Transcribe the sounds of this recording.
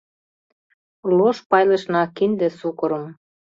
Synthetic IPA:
loʃpɑjlə̆ʃnɑkind̪ĕsukɤ̆ɾə̆m

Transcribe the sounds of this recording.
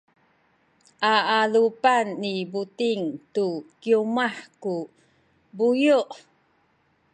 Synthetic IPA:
ʔaʔalupanːibutiŋtukiumaħku | bujuʔ

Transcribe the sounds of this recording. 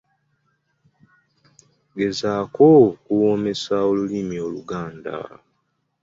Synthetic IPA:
ɡe̞zaːkokuwo̞ːme̞sao̞lulimio̞lṵɡaːnda̰

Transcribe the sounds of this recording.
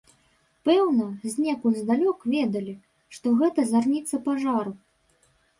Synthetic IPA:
pɛwnɐzʲnʲɛkuzd̪alʲɔkvʲɛd̪ɐlʲi | ʂt̪ɔɣɛt̪ɐzarnʲit̪sːɐpaʐaɾu

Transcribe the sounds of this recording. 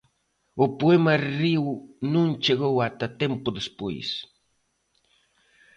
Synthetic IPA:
opwemariwnʊnt͡ʃeɣowat̪at̪empʊd̪espḛj̰s

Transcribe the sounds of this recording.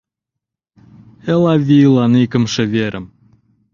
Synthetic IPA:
elˠɑvʲilˠɑnikɘ̆mʃɘ̆veɾʔɘ̆m

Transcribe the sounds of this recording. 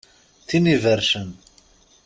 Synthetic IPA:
θinivəɾʃən

